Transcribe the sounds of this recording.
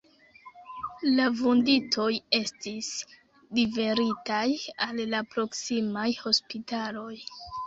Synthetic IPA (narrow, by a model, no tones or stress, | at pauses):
lavunditʰo̞je̞stis | dife̞ɾitajalːapɾo̞ksimajho̞spitalo̞j